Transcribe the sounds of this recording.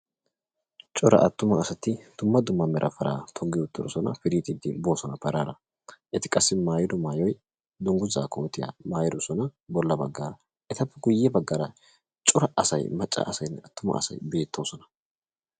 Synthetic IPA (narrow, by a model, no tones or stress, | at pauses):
t͡ʃʼɔɾɐ̰ʔɐt̪ːʊmɐːsɐt̪ɪd̪̥ʊmːɐd̪ʊmːɐmɛɾʔɐfɐɾa̰ːt̪ʰɔɡːɪʊt̪ːɪɾɔsɔnɐ̰fɪɾiːt̪ɪd̪ɪ̰bo̞ːsɔnɐpɐɾaːɾɐ | ʔɛt̪ɪ̥kʼɐsːɪmaːjɪd̪ʊmaːjɔj | d̪ʊŋɡʊza̰ːkoːt̪ɪja̰maːjɪd̪ʊsɔnɐbɔlːɐbɐɡːaːɾɐ | ʔɛt̪ɐpːɛɡʊjːɛbɐɡːɐɾɐ | t͡ʃʼɔɾɐʔɐsɐjmɐt͡ʃʼːɐ̰ʔɐsɐjnːɛɐt̪ːʊmɐ̰ɐ̰sɐ̰jbe̞ːt̪ʰːo̞ːsɔnɐ̥